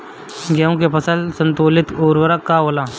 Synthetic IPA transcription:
ɡaũkepəsalsənt̪olit̪oːɾʋəɾakːaɦola

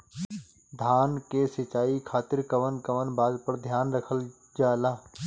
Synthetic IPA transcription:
d̪ʱaːnkesɪt͡ʃaːikʰaːt̪ɪɾkəʋənkəʋənbaːd̪pəɾd̪ʱjaːnɾəkʰəl | d͡ʒaːlaː

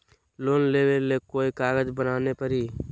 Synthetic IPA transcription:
loːnleːʋelːeːkoːikaːɡəd͡ʒbənaːnepəɾiː

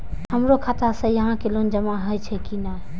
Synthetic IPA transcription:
həmɾokʰat̪asə̃jəɦãkelond͡ʒəmaɦəjt͡ʃʰɛkina

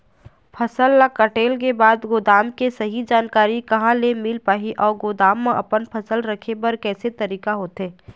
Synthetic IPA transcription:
pʰɐsəlːakɐʈeːlkebaːd̪ɡoːd̪aːmkesɐɦid͡ʒaːnkaːɾikɐɦãlemɪlpaːɦiʔɔːɾɡoːd̪aːmːãʔɐpənpʰɐsəlɾɐkʰebɐɾkɛːset̪ɐɾiːkaɦoːt̪ɦeː

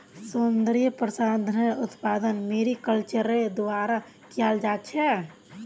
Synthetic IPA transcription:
sund̪ɾijpɾəsad̪ʱneut̪pad̪ənmeɾikəlt͡ʃəɾed̪aɾa | kijald͡ʒat̪t͡ʃʰɛ

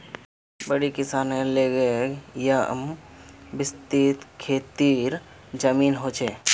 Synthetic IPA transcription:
bəɽikɪsaːnẽleːɡeja̰mbɪst̪it̪kʰeːt̪iːɾd͡ʒəmiːnɦoːt͡ʃʰeː

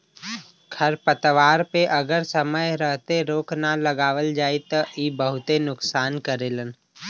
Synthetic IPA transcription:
kʰəɾpət̪ʋaːɾpeʔəɡəɾsəməjɾəɦt̪eɾoːknaləɡaːʋəld͡ʒaːit̪əʔiːbəɦʊt̪enʊksaːnkəɾeːlən

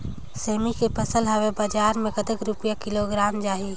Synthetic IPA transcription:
seːmikepʰəsəlɦəwebad͡ʒaːɾmẽkət̪əkɾʊpjakɪloɡɾaːmd͡ʒaːɦi

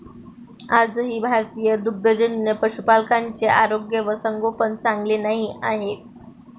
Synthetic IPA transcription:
ad͡zɦiːbʱaɾt̪ijəd̪uɡ̚d̪əd͡ʑənːepəɕupalkaɲt͡seʔaɾoɡjəʋəsəŋɡopəɳt͡saŋɡlenaɦiaɦet̪̚

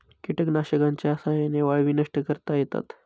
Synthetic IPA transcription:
kiʈəknaɕəkãɲt͡ɕasajeneʋaɭʋinəʂʈəkəɾt̪ajet̪a̰t̪

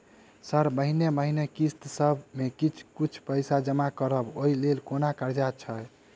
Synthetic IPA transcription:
səɾməɦineməɦinekist̪səbmekit͡ʃʰkit͡ʃʰpəjsad͡ʒəmakəɾəboilelkonakəɾd͡ʒat͡ʃʰə

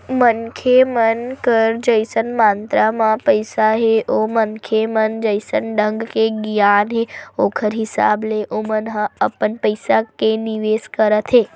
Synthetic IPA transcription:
mənkʰemənkəɾd͡ʒəjsənmãnt̪ɾamãpəjsaɦeʔomənkʰemənd͡ʒəjsənɖʱəŋɡkeɡjanɦeokʰəɾɦisa̰bleʔomənɦəəpənpəjsakeniʋeskəɾət̪ʰe

